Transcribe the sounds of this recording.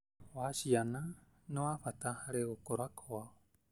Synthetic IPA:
wasiana | nõaɸat̪ahaɾeokoɾakʰoa

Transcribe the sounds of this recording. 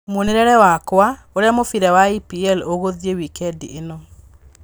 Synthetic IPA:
moneɾɛɾɛwakwa | oɾeamofiɾɛwaipiɛloɣoðiewikɛdienɔ

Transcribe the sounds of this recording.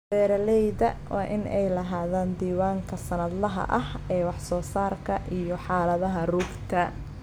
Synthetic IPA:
bɛːɾɐlɛjðɐwɑ̰ːʔɪnɛjlɐɦaːðaːnd̪iːwaːŋkʰɐsɐnɐd̪lɐɦɐ̰ʔɐhɛːwɑħsɔːsaːrkʰɐʔijɔħɑːlɐðɐɦɐruːbt̪ʰɐ

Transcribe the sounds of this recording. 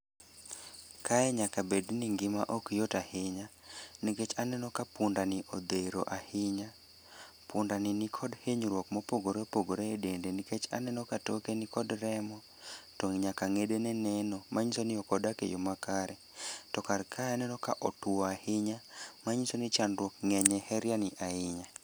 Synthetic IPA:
kʰajɛɲakabedniŋɡɪmaʔɔkjotahɪɲaniket͡ʃanɛnɔkapʊndanɪʔod̪eɾo̰ʔahɪɲa | pʊndanɪnɪkʰɔdheɲɾwɔkmɔpoɡoɾepoɡoɾeedendeniket͡ʃa̰nɛnɔkatokenɪkɔdɾɛmɔ | toŋɲakaŋedenɛnɛnɔmaɲisonɪɔkɔdakḛjomakaɾɛ | tɔkarkʰajanɛnɔka̰ʔɔtwɔahɪɲamaɲisonɪt͡ʃanrwɔkŋɛɲɛhɛɾjanɪʔaɪɲa

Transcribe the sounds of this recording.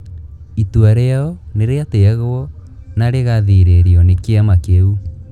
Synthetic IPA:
ituaɾeaɔneɾeateaɣɔnaɾeɣaðiɾeɾeɔnekeamakeu

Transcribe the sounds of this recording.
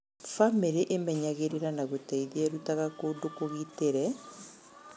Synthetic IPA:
famiɾiʔemɛɲaɣeɾeɾanaɣotaiðieɾutaɣakodokoɣiteɾɛ

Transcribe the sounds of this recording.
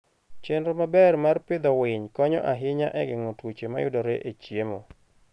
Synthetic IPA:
t͡ʃendɾomabɛrmarpɪd̪ɔwɪɲkɔɲɔ̰ʔaɦɪɲa̰ʔɛɡɪŋotwot͡ʃema̰jʊ̰dɔɾeʔet͡ʃjemo

